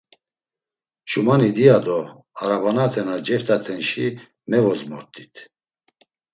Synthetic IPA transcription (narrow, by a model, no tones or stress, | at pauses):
ʃumanid̪iad̪ɔ | aɾavanat̪ʰɛnad͡ʒɛft̪ʰʼat̪ʰɛnʃi | mɛvɔzmɔɾt̪ʰʼi̥t̪ʰ